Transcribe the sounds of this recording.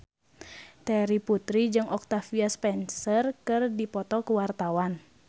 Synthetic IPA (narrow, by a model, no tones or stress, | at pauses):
t̪ɛɾiput̪ɾid͡ʒɨŋʔɔk̚t̪afiaspɛnsərkɨrdipɔt̪ɔkuwart̪awan